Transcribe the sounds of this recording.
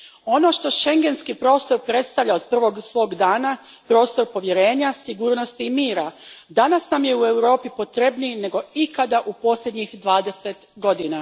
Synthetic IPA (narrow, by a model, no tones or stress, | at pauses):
o̞no̞ʃt̪o̞ʃe̞ŋɡe̞nskipɾo̞ːst̪o̞ɾpɾe̞t̪st̪aʋʎaod̪̚pr̩ʋo̞ɡsʋo̞ːɡd̪aːna | pɾo̞ːst̪o̞ɾpo̞ʋje̞ɾe̞ːɲasiɡuːɾno̞st̪iːmiːɾad̪anasnamje̞ue̞wɾo̞ːpipo̞t̪ɾebnine̞ɡo̞ikad̪aʔupo̞sʎʲed̪ɲixd̪ʋaːd̪e̞se̞t̪ɡo̞d̪ina